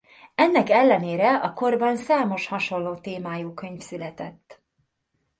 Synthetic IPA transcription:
ɛnːɛkɛlːɛneːɾɛɒko̞rbɒnsaːmo̞ʃhɒʃo̞lloːt̪eːmaːjuːkø̞ɲfsylɛt̪ɛt̪ː

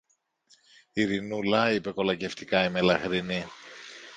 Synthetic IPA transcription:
iɾinulɐipe̞ko̞lɐce̞ft̪ikɐime̞lɐxɾini

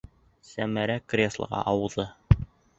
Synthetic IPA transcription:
sæmæɾækrʲesl̰ˠʁɑ̰ʔɑwɤ̆ðɤ

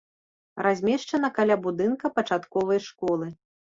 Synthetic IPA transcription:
ɾʔazʲmʲɛʂt͡ʂɐnɐkalʲabud̪ɨnkɐpɐt͡ʂat̪kɔvɐjʂkɔlˠɨ

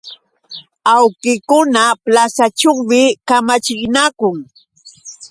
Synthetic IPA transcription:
awkɪkʊnaplasat͡ʃoŋmɪkamat͡ʃɪɢnakʊŋ

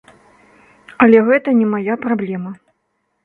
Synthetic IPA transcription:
ɐlʲɛɣɛt̪ɐnʲɛmajapɾablʲɛmɐ

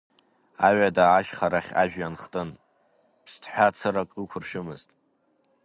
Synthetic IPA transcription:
aɥadaːʃχaɾaχʲa̰ʒᶣjanχtʼɨn | pʰstʰħʷᶣat͡sʰɨrakʼukʷʰʊrʃɨmɨztʼ

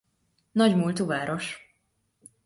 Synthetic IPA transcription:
nɒɟmult̪uvaːɾo̞ʃ

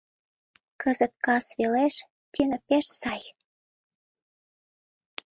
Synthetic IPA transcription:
kəzət̪̚kɑsβeleʃ | t̪ynə̆peʃsɑj

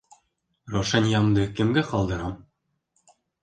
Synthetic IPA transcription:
roʂɑnʲjɑmd̪ɤ̆kɘ̆mɡʲɘχɑlˠd̪ɤ̆ɾɑm

